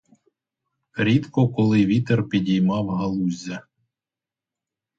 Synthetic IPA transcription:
ɾʲit̪kɔkɔlˠɪʋʲit̪erpʲidʲijmɑwɦɐlˠuzʲːɐ

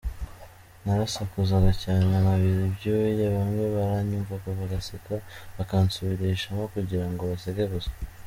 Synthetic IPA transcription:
naɾasakuzaɡacaːnanaβiɾibɟowejaβamweβaɾaɲuvakaβaɡasekaβakaːnsuβiɾeiʃamakuɟiɾaŋɡo̞βaseɡeβuza

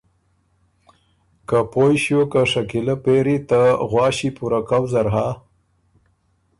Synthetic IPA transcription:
kapojɕjokaʂakiləpeɾit̪aɣwɑːɕipuɾakawzaɾɦa

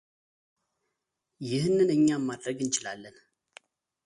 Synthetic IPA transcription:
jɪhnːɨnɨɲːamːad̪ɾəɡɨnt͡ʃɪlalːən

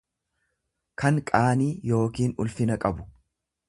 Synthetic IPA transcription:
kʰɐŋkʼaːniːjo̞ːkiːnʊ̰lfɪnɐkʼɐbʊ̥

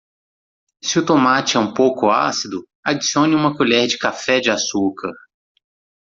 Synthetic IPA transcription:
sɪʊt̪omat͡ʃɪɛũpowkʊa̰sid̪ʊ | ad͡ʒisiõnɪũmɐkuʎɛɾd͡ʒɪkafɛd͡ʒɪasukɐɾ

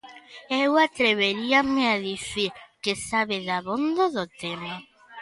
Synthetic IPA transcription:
ɛwat̪ɾeβeɾiameaðiθiɾkesaβeðaβond̪oðot̪ema

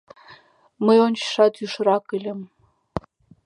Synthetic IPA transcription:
məjont͡ɕʃɑt̪yʃɾɑkɘlʲɘ̆m

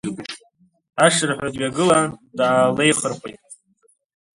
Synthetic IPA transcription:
aʂɨrħʷᶣadɥʲaɡɨladaːlejχərχʷejtʼ

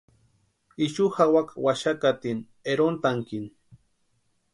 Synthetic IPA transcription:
iʃuhawakwaʃakat̪in | eɾont̪aŋkin

